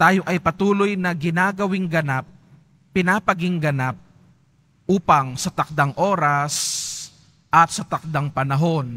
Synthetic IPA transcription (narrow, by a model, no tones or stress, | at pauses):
t̪aːjo̞ʔɐjpɐt̪uːlojnɐɡɪnaːɡɐwɪŋɡɐnap̚ː | ɪnapɐɡɪŋɡɐnap̚ | ʔuːpɐŋsɐt̪ɐk̚d̪aŋʔo̞ːɾɐs | ʔɐt̪̚sɐt̪ɐk̚d̪aŋpɐnɐɦo̞n